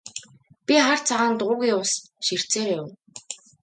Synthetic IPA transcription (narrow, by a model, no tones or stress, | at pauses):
pʲiχar̥t͡sʰaʁaːnt̪ʊɣujʊws | ʃir̥t͡seːɾeːʊw